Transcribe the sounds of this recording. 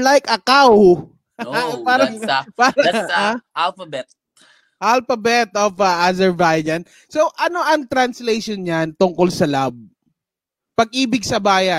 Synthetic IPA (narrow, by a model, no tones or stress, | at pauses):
lajkɐkaw | apaːɾɐŋpaːɾɐaʔalfɐbɛt̪̚ | ʔalfɐbɛt̪̚ʔofaʔazɛɹbajd͡ʒɐn | sowʔɐno̞ʔɐŋt̪ɾɐnslejʃɔnɲant̪ʊŋkolsɐlab̚ | pɐɡ̚ʔiːbɪɡ̚sɐbaːjɐn